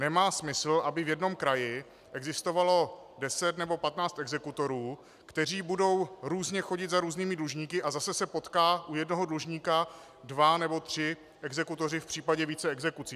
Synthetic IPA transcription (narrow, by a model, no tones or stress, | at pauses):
nɛmaːsmɪsl̩ʔabɪvjɛdno̞mkɾajɪ | ʔɛɡzɪst̪o̞valo̞dɛsɛt̪nɛbo̞pat̪naːt͡st̪ʔɛɡzɛkut̪o̞ɾuː | kt̪ɛr̝iːbudo̞wɾuːzɲɛxo̞ɟɪt̪zaɾuːzniːmɪdluʒɲiːkɪʔazasɛsɛpo̞t̪kaːʔujɛdno̞ɦodluʒɲiːka | dvanɛbo̞t̪r̝̥ɪ | ʔɛɡzɛkut̪o̞rɪfpr̥iːpaɟɛviːt͡sɛɛɡzɛkut͡siː